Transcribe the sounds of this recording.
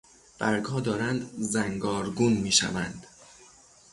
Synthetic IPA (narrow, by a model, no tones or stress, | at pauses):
b̥æɾɡhɒːd̪ɒːɾænd̪zæŋɡɒːɾɡunmiːʃæ̰vænd̪̥